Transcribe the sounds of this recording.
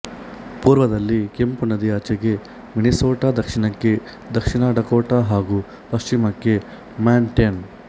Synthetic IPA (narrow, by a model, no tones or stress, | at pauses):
puːɾʋɐd̪ɐlːikempunɐd̪iaːt͡ʃeɡe̞ | minisoːʈaːd̪ɐkʂiɳɐkːe̞ | d̪ɐkʂinaːɖɐkoːʈaːɦaːɡu | pɐst͡ʃimɐkːe̞ | maːɳʈen